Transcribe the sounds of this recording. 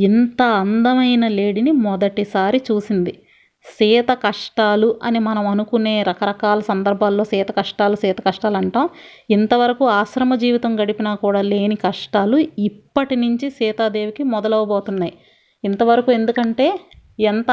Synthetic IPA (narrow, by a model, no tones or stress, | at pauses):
int̪ɐɐnd̪ɐmɐjnɐle̞ːɽinimɔd̪ɐʈisaːɾit͡ʃuːsind̪i | sɛːt̪ɐkɐʂʈaːluʔɐnimɐnɐmɐnukune̞ːɾɐkɐɾɐkaːlɐsɐnd̪ɐɾbʱaːlːo̞ːsɛːt̪ɐkɐʂʈaːlusɛːt̪ɐkɐʂʈaːlɐɳʈaːm | int̪ɐʋɐɾɐkuaːʃɾɐmɐd͡ʒiːʋit̪ɐmɡɐɽipinaːkuːɽaːle̞ːnikɐʂʈaːluippːɐʈinuɲt͡ʃisɛːt̪aːd̪e̞ːʋikimɔd̪ɐlɐʋɐboːt̪unːaːji | int̪ɐʋɐɾɐkue̞nd̪ukɐɳʈe̞ːɛnt̪ɐ